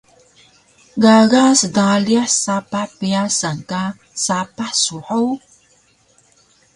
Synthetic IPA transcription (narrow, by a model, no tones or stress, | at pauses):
ɡaɣasədaliaħsapaħpiasaŋka | sapaħsuħow